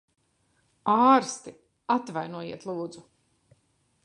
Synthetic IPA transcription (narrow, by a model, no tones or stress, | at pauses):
aːɾst̪i | at̪vajnuɔjiɛt̪lˠuːd̪zu